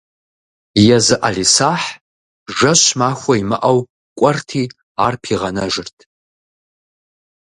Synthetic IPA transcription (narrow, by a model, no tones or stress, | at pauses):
jɛzɨʔalisaːħ | ʒʷɐɕmaːxʷɐimɨʔɐw | kʷʼɔrtʰiː | aːrpʰiːʁɐnɐʒɨrtʰ